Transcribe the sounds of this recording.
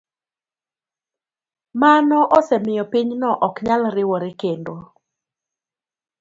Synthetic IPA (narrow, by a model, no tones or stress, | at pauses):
manɔʔɔsɛmɪjɔpiɲnɔʔɔkɲalɾɪwɔɾɪkendo